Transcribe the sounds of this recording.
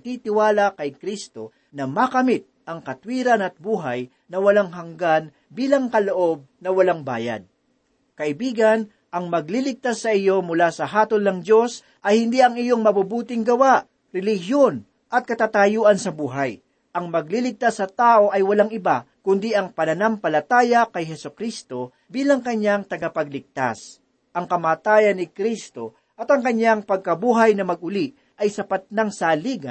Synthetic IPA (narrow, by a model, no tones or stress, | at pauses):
t̪it̪ɪwaːlɐkɐjkɾist̪o̞ | nɐmakɐmɪt̪̚ʔɐŋkɐt̪wiːɾɐnɐt̪̚buːɦɐj | nɐwɐlaŋɦɐŋɡan | biːlɐŋkɐloʔo̞b̚nɐwɐlaŋba̰ːja̰d̪̚ | kɐʔɪbiːɡɐn | ʔɐŋmɐɡ̚lilɪɡ̚t̪asːɐʔɪjo̞mʊlaːsɐɦaːt̪olnɐŋd͡ʒo̞s | ʔɐjhɪnd̪iɐŋɪjo̞ŋmɐbubuːt̪ɪŋɡɐwaʔ | ɾɛlɪhjon | ʔɐt̪̚kɐt̪aːt̪ajuːʔɐnsɐbuːɦɐj | ʔɐŋmɐɡ̚lilɪɡ̚t̪asːɐt̪aːʔo̞ʔɐjwɐlaŋɪba̰kʊnd̪iʔɐŋpɐnɐnɐmpɐlɐt̪aːjɐkɐjɦɛsʊkɾist̪o̞ | biːlɐŋkɐɲaŋt̪ɐɡɐpɐɡ̚lɪɡ̚t̪a̰s | ʔɐŋkɐmaːt̪aːjɐnːɪkɾist̪o̞ | ʔɐt̪ɐŋkɐɲaŋpɐɡ̚kɐbuːɦɐjnɐmɐɡ̚ʔʊliʔ | ʔɐjsɐpat̪̚nɐŋsaːliːɡɐ̰